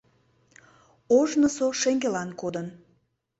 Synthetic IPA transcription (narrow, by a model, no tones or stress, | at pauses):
oʒnəsoʃeŋɡelɑnkod̪ən